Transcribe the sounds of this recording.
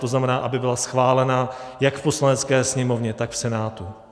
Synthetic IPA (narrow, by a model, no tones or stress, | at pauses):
t̪oznamɛnaːʔabɪbɪlasxvaːlɛnajakfpo̞slanɛt͡skɛːsɲɛmo̞vɲɛt̪akfsɛnaːt̪u